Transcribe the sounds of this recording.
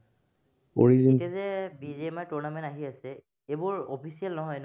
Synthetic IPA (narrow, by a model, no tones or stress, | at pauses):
oɹizikɛzɛbizemajtuɹnamɛ̃ntaɦiasɛ | ebʊɹopʰisijalnɔɦɔjn